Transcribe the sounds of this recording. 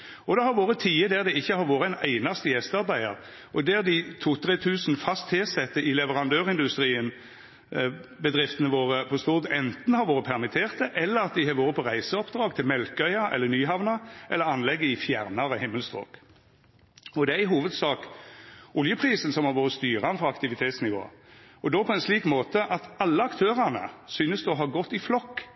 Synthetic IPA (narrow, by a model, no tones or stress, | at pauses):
ɔd̪ɛhɑɾʋoːɾət̪ʰiːəd̪æːʁd̪ɛɪçːəhɑɾʋoːɾəæɪnæ̰ɪnɑst̪əjɛst̪ɑɾbæɪəʁ | ɔd̪æʁd̪ɪt̪ʰuːt̪ʰʁeːt̪ʰʉːsn̩fɑst̪hesɛt̪ːəɪlɛʋəʁɑnd̪øːʁɪnd̪ʉst̪ʁiːən | bəd̪ʁɪft̪ənəʋoːʁəpʰɔst̪uːʁd̪ɛnt̪n̩hɑɾʋoːɾəpʰæʁɾmɪt̪ʰeːʁt̪əʔɛlːəʁɑt̪̚d̪ɪhɑʋoːɾəpʰɔʁæɪsəɔpd̪ʁɑːɡt̪ʰɪlmɛlkœʏɑʔɛ̰lːəɾnyːɦɑʋnɑʔɛlːəɾɑnlɛɡːəɪfjæʁnɑɾəhɪmːəlst̪ʁo̰ːk | ɔd̪ɛæɪɦuːʋəd̪sɑːkʔʊljəpʰʁiːsən̩sɔmhɑɾʋoːɾəst̪yːɾɑnfɔɑkt̪ɪʋɪt̪ʰeːt̪snɪʋo̰ːɔd̪oːpʰɔɛnsliːkmoːt̪əʔɑt̪ɑlːəɑkt̪ʰøːʁɑnə̰syːnəsd̪oɦɑɾɡɔt̪ːɪflɔkː